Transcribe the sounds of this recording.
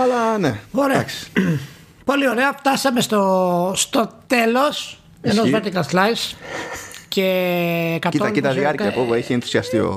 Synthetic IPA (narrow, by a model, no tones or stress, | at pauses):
ɐlɐneoɾeaksi̥ | po̞lio̞ɾeɐft̪ɐsɐmest̪ost̪o̞t̪e̞lo̞s | enozveɾt̪ikɐlθlajs | ce̞kɐtt̪olit̪ɐðiɐɾkɐpopueçienθu̥siɐst̪io̰